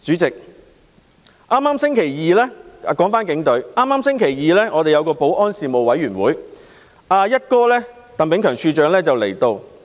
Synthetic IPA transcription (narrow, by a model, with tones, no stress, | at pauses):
t͡syː˨˥t͡sɪ˨k̚ | ʔaː˥mːaː˥msɪ˥ŋkʰe˨˩jjiː˨˧lɛː˥˨˧kɔː˨˥ŋfaː˥nkɪ˨˥ŋt̪ɵ˨˥ɥʔaː˥mːaː˥msɪ˥ŋkʰe˨˩jjiː˨˧lɛː˥ŋɔː˨˧t̪e˨jɐ˨˧wkɔː˧po˨˥wʔɔː˥nsiː˨mo˨wɐ˨˥jɥyː˨˩nwuː˨˥j | ʔaː˧jɐ˥t̚kɔː˥lɛː˥ | t̪ɐ˨ŋpɪ˨˥ŋkʰœː˨˩ŋsʰyː˧t͡ʃœː˨˧ŋlɛː˥t͡sɐ˨wle˨˩jt̪o˧w